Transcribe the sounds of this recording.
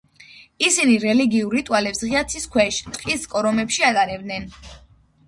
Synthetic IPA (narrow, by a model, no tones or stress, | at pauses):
isiniɾɛliɡiuɾit̪ʼwalɛpsʁiat̪sʰiskʰwɛʃt̪ʼqʼiskʼɔɾɔmɛpʃiat̪ʼaɾɛb̚d̪nɛn